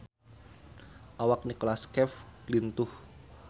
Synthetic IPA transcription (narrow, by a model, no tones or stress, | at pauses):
ʔawak̚nikolaskɛflint̪ʊh